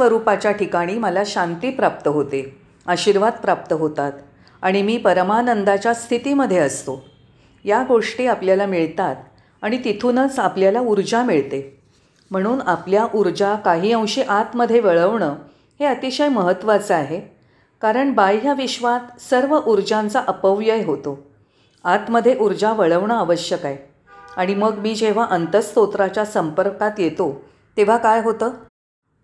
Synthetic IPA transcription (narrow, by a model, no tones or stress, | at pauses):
ʋəɾupat͡ɕjaʈikaɽ̃iːməlaɕant̪iːpɾap̚t̪əɦot̪e | əɕiːɾʋad̪̚pɾap̚t̪əɦot̪at̪ | aɽ̃imiːpəɾəmanənd̪at͡ɕjast̪ʰit̪iːməd̪ʱjeəst̪o | jaɡoʂʈiːapljalamiɭt̪at̪ | aɽ̃it̪it̪ʰunət͡sapljalauɾd͡ʑamiɭt̪e | m̤əɽ̃uːnapljaʔuɾd͡ʑakaɦiːə̃w̃ɕiʔat̪məd̪ʱːjeʋəɭəʋɳəː | heət̪iɕəjməɦət̪ːʋat͡səaɦe | kaɾəɳbajjaʋiɕʋat̪səɾʋəʔuɾd͡ʑant͡saʔəpəʋjəjɦot̪o | at̪məd̪ʱjeʔuɾd͡ʑaʋəɭəʋɳəaʋəɕjəkaj | aɽ̃iməɡmiːd͡ʑeʋ̤aʔənt̪əst̪ot̪ɾat͡ɕjasəmpəɾkat̪jet̪o | t̪eʋ̤akajɦot̪əː